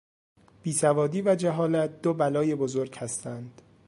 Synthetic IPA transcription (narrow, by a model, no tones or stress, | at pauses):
b̥iːsævɒːd̪iːvæd͡ʒæɦɒːlæt̪̚d̪obælɒːjebozoɾɡhæst̪ænd̪̥